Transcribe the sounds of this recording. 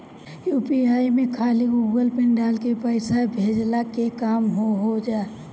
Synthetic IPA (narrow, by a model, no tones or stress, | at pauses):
jupiaːimẽkʰaːliɡuːɡəlpɪnɖaːlkepəɪsabʱed͡ʒlakekaːmɦoɦod͡ʒa